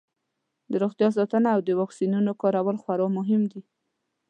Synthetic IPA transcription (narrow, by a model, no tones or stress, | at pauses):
d̪əɾoxt̪jɑs̬ɑt̪ənaːwd̪əwɑksinunokɑɾawəlxwaɾɑmʊɦɪmd̪i